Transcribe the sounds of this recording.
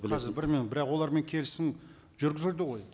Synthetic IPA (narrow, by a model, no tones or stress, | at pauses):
bɪlɑzɪɾbɪɾmenbɪɾɑqwo̞lˠɑɾme̞ŋkʲʰe̞lɪsɪŋ | ʒ̥ʏɾɡʲɪzeɾd̪ɪʁo̞j